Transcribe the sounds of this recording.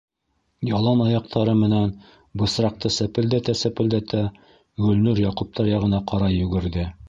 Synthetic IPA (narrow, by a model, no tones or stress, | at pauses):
jɑlˠɑnɑjɑq̚t̪ʰɑɾɤmɘ̆næn | bɤ̆sɾɑq̚t̪ɤsæpɘ̆ld̪æt̪æsæpɘ̆ld̪æt̪ʰæ | ɡɵ̆lnʉɾjɑqup̚t̪ɑɾjɑʁɤ̆nɑqʰɑɾɑjɵ̆ɡɘ̆ɾðɘ